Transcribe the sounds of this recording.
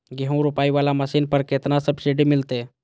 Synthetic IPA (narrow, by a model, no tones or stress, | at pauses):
ɡeɦũɾʊpaːiʋaːlaməsiːnpəɾket̪nasəbsiɖimɪlt̪e